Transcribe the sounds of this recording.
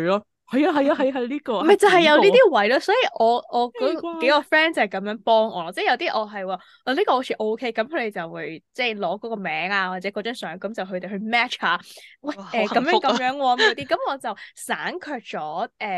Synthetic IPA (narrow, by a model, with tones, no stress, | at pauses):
a˧ | hɐ˨ja˧ɦɐ˨jaː˧ɦɐ˨jɦɐ˨jliː˥kɔː˧mɐ˨jt͡sɐ˨hɐ˨jjɐ˧wniː˥t̪iː˥wɐ˨˥jlaː˧sɔː˨˥ji˨ʔɔː˨˧ʔɔː˨˧kɔ˨˥ke˨˥jkɔː˧fɛː˥nt͡sɐ˨hɐ˨˩kɐ˨˧˥mjœː˨˥ŋpɔː˥ŋʔɔː˨˧lɔ˧˥t͡sɛː˥˩jɐ˨˧wt̪iː˥ʔɔː˨˧ɦɐ˨jwaː˨˩ | ʔɔ˨˧liː˥kɔː˧ho˧˥t͡sʰiː˨˧˩ʔo˥wkʰe˥jkɐ˨˥mkʰɵ˨˧t̪e˨˩t͡sɐ˨˩wwuː˨˧jt͡sɛ˥˩lɔː˨˥kɔː˨˥kɔː˧mɛː˨˥ŋaː˧wa˨t̚t͡sɛː˨˥kɔ˨˧t͡ʃœː˨˥nsœː˨˥ŋkɐ˨˦mt͡sɐ˨wɦɵ˧t̪e˨˩hɵ˧ɥmɛː˥t͡ʃhaː˨˧wɐ˥˩ʔɛː˨˩kɐ˨˥mjœː˧˨˥ŋkɐ˨˧mjœː˨˥ŋwɔː˧mo˨˧t̪iː˥kɐ˨˥mɔː˨˧t͡sɐ˨wsaː˨˥nkʰœː˧k̚t͡sɔː˨˥ʔɛː˨˩